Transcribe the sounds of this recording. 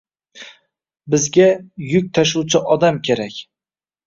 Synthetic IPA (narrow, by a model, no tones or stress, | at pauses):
bɪzɡʲajʊkʲt̪ʰaʃ̬uwt͡ʃʰɪʔɒd̪amkʲʰe̞ɾakʲ